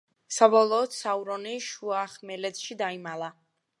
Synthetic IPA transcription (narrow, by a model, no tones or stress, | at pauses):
sabɔlˠɔːt̪sauɾɔniʃuaχmɛlɛt̪ʃid̪aimalˠa